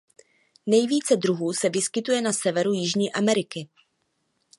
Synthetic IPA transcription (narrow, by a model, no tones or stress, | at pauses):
nɛjviːt͡sɛdɾuɦuːsɛvɪskɪt̪ujɛnasɛvɛɾujɪʒɲiːʔamɛɾɪkɪ